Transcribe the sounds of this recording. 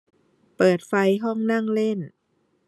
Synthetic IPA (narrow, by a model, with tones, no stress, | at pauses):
pɤː˨˩t̪̚fa˧jɦɔ˥˩ŋna˥˩ŋle˥˩n